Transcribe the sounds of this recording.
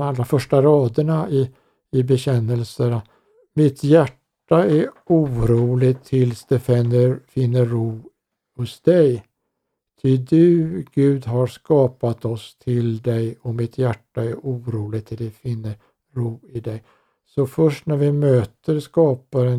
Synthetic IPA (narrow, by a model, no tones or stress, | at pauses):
alːɾafœʂʈaɾɑːd̪əɳaɪ | ɪbɛɕɛnːəlsəɾa | mɪt̪jæʈːaæɾuːɾuːlɪt̪ʰːɪlsd̪̥ɛfɛnːəɾfɪnːəɾuː | hʊsd̪̥ɛj | t̪ʰɪd̪ɵ̟ɡ̥ʉ̟ːd̪ɦaɾskɑːpat̪ɔst̪ʰɪld̪ɛjɔmɪt̪ʰjæʈːaæɾʔuːɾuːlɪɡ̚t̪ʰɪld̪ɛfɪnːəɾ | ɾuːɪd̪ɛj | sɔfœʂʈnæɾvɪmøːt̪əɾskɑːpaɾɛ